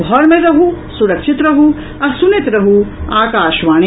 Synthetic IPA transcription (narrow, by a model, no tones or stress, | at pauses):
ɦɔɾmeɾɐɦusuɾɐkʃit̪ɾɐɦu | ɐsunet̪ɾɐɦuaːkaːʃʋaːɳ